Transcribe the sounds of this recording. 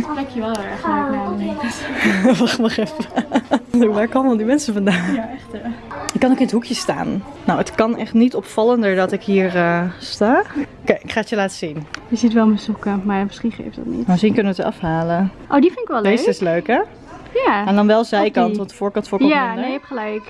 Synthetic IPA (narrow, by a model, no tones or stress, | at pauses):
rɛkjəʋɛlˠɛɹχløanetʋɑχtmɑχɛfə | dodaːɹkoːməʋɛlˠdimɛnsəfɑndaːnjaɛχtəɪkːɑnoːkɪnətɦukjəsta̰ːnː | owətkɑnɛχtnitɔpfɑləndəɹdɑtɪkɦiːɹəstaːokejɪkχaːətjəlaːtə̥zinjəzitʋɛlˠməsukəmaɹmɪsχinχḛjftdɑ̰tnḭtmsinkɵnəʋətəɑ̰fɦaːləʔowdifɪnɪkʋɛldejsəɪsløɥkɛ | jaɛndɑnʋɛlˠzɛjkɑnttʋɑntəfʊːɹkɑntfʊːɹɔjanejɛpχəlɛjk